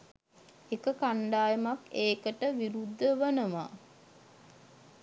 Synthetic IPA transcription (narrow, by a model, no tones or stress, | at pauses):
ekəkaɳɖaːjəmakeːkəʈəʋiɾud̪ːəʋənəma̰ː